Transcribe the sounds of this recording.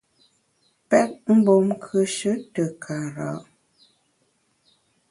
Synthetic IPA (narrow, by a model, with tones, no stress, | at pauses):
pɛ˦p̚m̩˦bo˨mkʰə˦ʃə˦tə˨kʰa˨ɾa̰˨ʔ